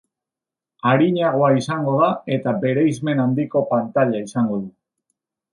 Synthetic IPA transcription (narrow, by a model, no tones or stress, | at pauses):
aɾiɲaɣ̞o̞aisaŋɡo̞ðae̞t̪abe̞ɾe̞jzme̞nand̪iko̞pant̪aʎaisaŋɡo̞ðu